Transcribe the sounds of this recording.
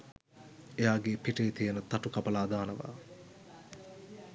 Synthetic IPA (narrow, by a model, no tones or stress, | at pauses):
ejaːɡeːpiʈeːt̪ijənət̪ɐʈukɐpɐlaːd̪aːnəʋa̰ː